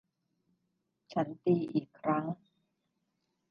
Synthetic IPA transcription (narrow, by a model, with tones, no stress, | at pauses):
t͡ɕʰa˦˥nt̪iː˧ʔiː˨˩kʰːɾa˦˥ŋ